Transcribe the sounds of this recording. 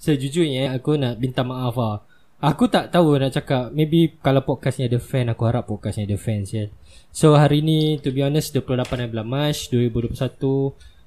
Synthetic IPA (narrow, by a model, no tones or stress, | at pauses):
səd͡ʒud͡ʒuɲaakunaʔbint̪amaʔafa | akut̪aʔt̪aunaʔt͡ʃakap̚mebikalawpɔt̚kasɲadəfɛnakuɦaɾapːɔt̚kasɲadəfɛnsə | soɦaɾiːnit̪ubiɔnəsduəpəlohlapanajbəlamat͡ʃduəɾibuduəplousat̪u